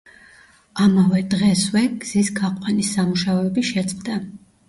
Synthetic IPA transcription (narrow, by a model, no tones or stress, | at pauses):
amavɛd̪ʁɛswɛɡ̥z̥isɡʰaqʼɛnisːamuʃaɔɛbiʃɛt̪sʼqd̪a